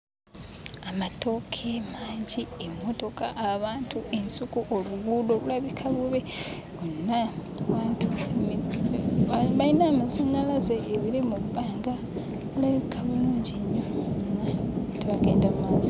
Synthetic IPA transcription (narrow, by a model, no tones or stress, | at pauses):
amato̞kʰemaːɲɟiemːo̞to̞kaʔaβaːntʰuʔe̞nsukuʔoluɡulo̞βulaβikʰaβuβe | onːa | βaːntʰu | βajinaːmasonalazeːβiɾimuβbaːŋɡa | βulaβikʰaβuluːɲɟiɲːo̞nateβakeːndammaːzo